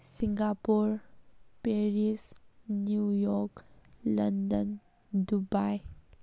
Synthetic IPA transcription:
sɪ̃ŋɡapuɾpeɾisnjujɔklɐnd̪ən | d̪ubaj

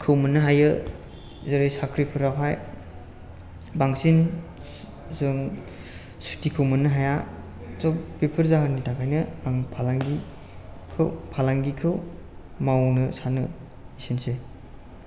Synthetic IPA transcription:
kʰɯwmɐnɯɦajɯ | zeɾɯjsakʰɾipʰɯɾawɦʰaj | baŋsin | zɯŋ | su̥tikʰɯwmɐnɯɦaja | sɔbepʰɯɾzaɦɯnitʰaŋkʰajnɯaŋpʰalaŋɡi | kʰɯwpʰalaŋɡikʰɯw | mawnɯsanɯ | isense

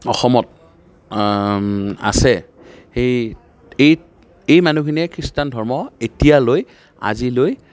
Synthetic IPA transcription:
ɔxɔmɔt̚ | a̰sɛ | xej | ej | ejmanukʰiniɛkʰɹistandʱɔɹmɔetijaloj | a̰ziloj

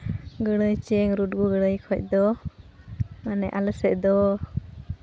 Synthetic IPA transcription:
ɡəɽəjt͡ʃɛŋɾuʈ̚ɡuɡəɽəjkʰɔc̚ˀd̪ɔ | manɛʔaləsɛʔ̚d̪ɔ

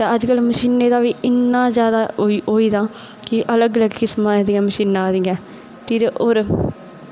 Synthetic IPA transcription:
t̪eːəd͡ʒkəlməʃiːnːeːd̪aːʋiːʔɪnːãːzjaːd̪aːioːiːd̪ãː | kɪʔələɡələɡkɪsmãːed̪ĩɛ̃ːməʃiːnãːd̪iːɛ̃ː | t̪iɾʔoːɾ

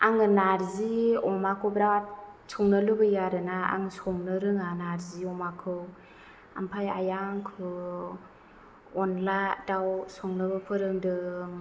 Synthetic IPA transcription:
aŋɯnaɾziɔmakʰɯwbɾaat̚sɔŋnɯlɯbɯjaɾɯnaa̰ŋsɔŋnɯɾɯŋanaɾziɔmakʰɯw | a̰mpʰaja̰jaŋkʰɯ | ɔnladawsɔŋnɯbɯpʰɯɾɯŋdɯ

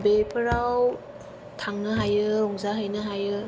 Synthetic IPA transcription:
bepʰɯɾaw | t̪ʰaŋnɯɦajɯlɔŋzaɦɯjnɯɦajɯ

